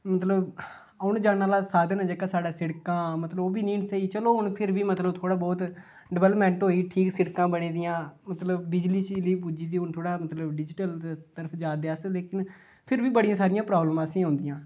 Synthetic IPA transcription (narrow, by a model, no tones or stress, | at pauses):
mət̪ləb | ʊnd͡ʒaːnaːlaːsaːd̪nãːd͡ʒəkaːsaːɖaːsɪɽkãːmət̪ləboːbiːnĩːnɪsəiːt͡ʃəloːɦʊnpʰɪɾbiːmət̪ləbt̪ʰoːɽaːbɔːt̪ | ɖəʋɛːləpmɛ̃ːɳʈɦoːiːʈʰiːksɪɽkãːbəɽ̃iːd̪ɪjãːmət̪ləbbɪd͡ʒliːt͡ʃliːp̬uːd͡ʒiːd̪iːʊnt̪ʰoːɽaːmət̪ləbɖɪd͡ʒɪʈəlt̪əɾəpʰd͡ʒaːd̪jaːsleːkɪn | pʰɪɾbiːbəɽijãːsaːɾɪjãːpɾaːbləmãːəsĩːɦõːnd̪ɪjãː